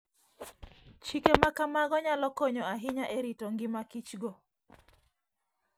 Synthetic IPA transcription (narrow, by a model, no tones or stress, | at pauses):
t͡ʃikemakamaɡɔɲalɔkoɲɔaɦɪɲaʔeɾitoŋɡɪmakit͡ʃɡo